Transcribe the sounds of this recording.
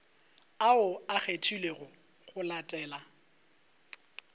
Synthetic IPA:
aʊaχetʰuleɣʊ | ɣʊlatʼɛːla

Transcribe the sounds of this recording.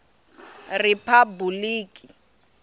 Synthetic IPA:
rɪpʰabuliːkʼi

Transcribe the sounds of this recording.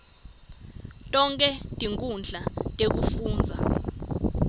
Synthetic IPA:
tʼɔŋkʼɛtʼiŋkʼund͡ɮʱatʼek̬ufuːnd͡zʱa

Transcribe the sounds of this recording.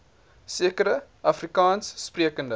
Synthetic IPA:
siəkəɾəʔɐfrikɑːnsːpriəkəndə

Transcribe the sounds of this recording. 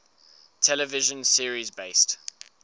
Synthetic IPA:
tʰɛləvɪʒə̃nsiəɹizbeɪst

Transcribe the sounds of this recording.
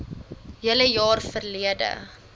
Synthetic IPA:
jiəələjɑːrfərliədə̰

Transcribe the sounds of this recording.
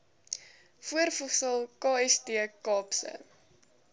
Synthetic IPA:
fuərfusəlˠkɑːɛstiəkɑːpsə̰

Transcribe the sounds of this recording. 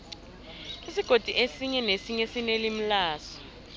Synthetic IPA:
isiɡ̥ʱod̥ʼʱiʔesiɲɛnesiɲɛsinelim̩laːsɔ̥

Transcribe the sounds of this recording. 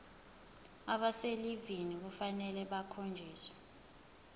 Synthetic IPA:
aɓaselivinik̬ufanɛlɛɓakʰond͡ʒʱiːswɛ̥

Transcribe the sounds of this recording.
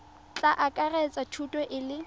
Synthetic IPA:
t͡ɬʼaʔakʼarɛt͡sʼatʰutʼɔʔɪlɪ

